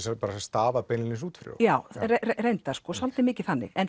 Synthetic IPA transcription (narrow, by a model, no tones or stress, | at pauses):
sɛpaːɾasɛst̪aːvapɛnɪlɪsuːt̪fɾjo̰wjaːwreerejnt̪ḁskɔːsalt̪ɪmɪːcɪθanːɪ̰ɣɛn